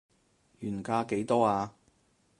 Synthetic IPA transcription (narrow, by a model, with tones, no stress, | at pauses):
jyː˨˩nkaː˧ke˨˥jt̪ɔː˥aː˧